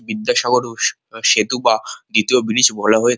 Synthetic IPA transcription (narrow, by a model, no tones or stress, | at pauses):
bid̪ːaʃaɡoɾ | ʃet̪ubad̪it̪iobilid͡ʑbɔlaɦoe